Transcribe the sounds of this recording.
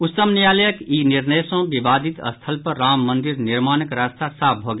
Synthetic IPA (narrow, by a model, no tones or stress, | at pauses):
ut̪ːəmnijaləjəkiniɾnəjsõbibad̪ʱit̪ə̰st̪ʰəlpəɾamːənd̪iɾniɾmanəkɾast̪ʰasap̚ʰbʱoɡe